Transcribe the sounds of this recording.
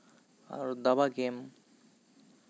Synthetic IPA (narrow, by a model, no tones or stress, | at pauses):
a̰ɾd̪abaɡem